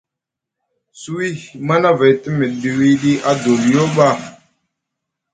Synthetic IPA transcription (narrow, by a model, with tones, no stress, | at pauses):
su˦wi˦ma˦na˦va˨jti˦mi˨ɗɗi˨wi˦ɗi˦ʔa˦do˨li˨jo˦ɓa˦˨